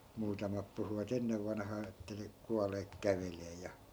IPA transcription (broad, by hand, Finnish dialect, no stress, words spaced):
muːtɑmɑp puhuʋɑt enːeʋ ʋɑnhɑː etːæ ne kuɑleːk kæʋeleː jɑ